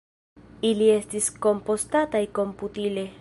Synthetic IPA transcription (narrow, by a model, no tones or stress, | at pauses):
iliest̪iskompost̪at̪aikomput̪ile